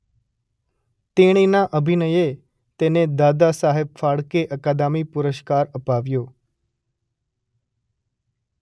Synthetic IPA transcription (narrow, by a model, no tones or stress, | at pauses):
t̪eɽ̃inaʔəbʱinəje | t̪ened̪ad̪asaɦeb̚faɽkeʔəkad̪amipʊɾəʃkaɾəpaʋjo